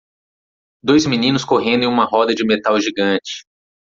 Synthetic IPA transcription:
d̪ojzminĩnʊskoɦẽnd̪ʊẽũmɐɦɔd̪ɐd͡ʒɪmet̪awʒiɡɐ̃t͡ʃɪ̥

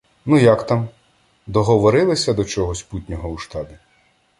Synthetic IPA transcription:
nujakt̪am | d̪ɔɦɔʋɔɾɪlˠɪsʲɐd̪ɔt͡ʃɔɦɔsʲput̪ʲnʲɔɦɔuʃt̪ɑbʲi

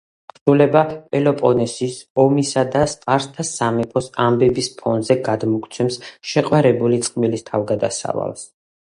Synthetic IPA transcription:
pʰɾulɛbapʼɛlɔpʼɔnɛsisɔmisad̪ast̪ʼaɾst̪ʰasamɛpʰɔsambɛbispʰɔnzɛɡad̪mɔkʼʰt̪sʰɛmsʃɛqʼwaɾɛbulit̪sʼqʼmilist̪ʰavɡad̪asa̰va̰lˠs

